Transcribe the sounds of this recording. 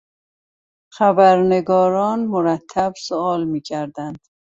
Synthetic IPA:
xæbæɾneɡɒːɾɒːnmoɾæt̪ʰːæb̥soɒːlmiːcʰæɾd̪ænd̪̥

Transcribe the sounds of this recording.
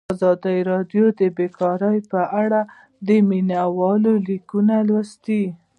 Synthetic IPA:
azɑd̪əjɾɑdjod̪əbekɑɾəjpəʔaɽa | d̪əminawɑlolikunalwast̪i

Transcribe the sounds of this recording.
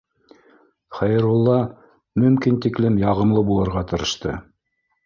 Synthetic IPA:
χæjɤ̆ɾulˠːɑ | mɵ̆mkint̪iklɘmjɑʁɤ̆mlˠɤbulˠɤ̆ɾʁɑt̪ɤ̆ɾɤ̆ʃt̪ɤ̰

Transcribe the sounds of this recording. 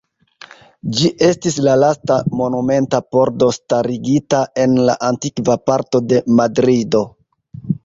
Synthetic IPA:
d͡ʒiʔe̞stislalastamo̞nume̞ntapo̞ɾdo̞staɾiɡitae̞nla̰ʔantikvapaɾto̞de̞madɾido̞

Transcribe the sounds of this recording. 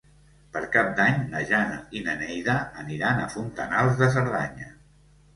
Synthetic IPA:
pəɾkap̚d̪aɲnəʒana̰inənɛjðəːniɾanəfunt̪ənalˠzðəs̬əɾðaɲə

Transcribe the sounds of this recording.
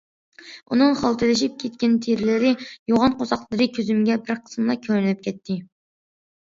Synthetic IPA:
unɨŋχɑlˠt̪ʰɨlɪʃip̚kʲʰɛt̪̚kʲɛnt̪ʰeɾɪlɪɾɪjoʁɑnqʰosɑqlˠɨɾɨkʲʰøzymɡʲɛbɪɾqʰə̥smlˠɑkʲʰøɾnlɪp̚kʲʰɛt̪ʰːɪ

